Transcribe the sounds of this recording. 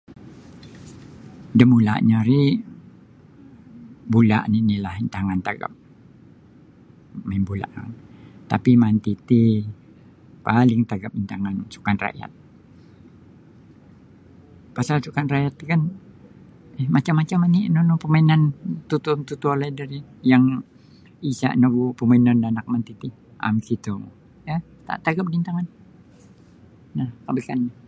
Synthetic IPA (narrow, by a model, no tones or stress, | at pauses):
dəmula̰ʔɲaɾi | bula̰ʔninilahint̪aŋant̪aɡa̰p̚ | mainbula̰ʔa̰nt̪apimant̪it̪i | palɪŋt̪aɡap̚int̪aŋansu̥kanra̰ja̰t̪̚ | pasalsukanrajat̪̚ːkan | ɛhmat͡ʃamːat͡ʃamaniʔnonopəmainant̪ut̪unt̪ut̪ualaidaɾijaŋ | isa̰ʔnaɡupəmainandanak̚mant̪it̪i | ʔa̰msit̪u | ja | t̪a̰ʔt̪aɡap̚dint̪aŋan | nahkabəkanːa